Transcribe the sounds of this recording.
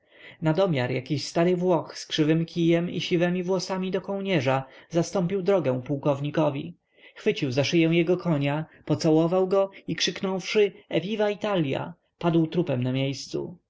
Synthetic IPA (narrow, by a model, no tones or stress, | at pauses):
nad̪ɔmʲjaɾjakʲiɕst̪aɾɘvwɔxskʂɘvɘmkʰʲijɛmḭɕivɛmʲivwɔsamʲid̪ɔkɔw̃ɲɛʐazast̪ɔ̃mpʲiwd̪ɾɔɡɛ̃w̃puwkɔvɲikɔvʲi | xfɘt͡ɕiwzaʂɘjɛw̃jɛɡɔkʰɔɲapɔt̪sawɔvawɡɔikʂɘknɔwfʂɘɛvʲivait̪alʲja̰ | pad̪wt̪ɾupɛmnamʲjejst̪sṵ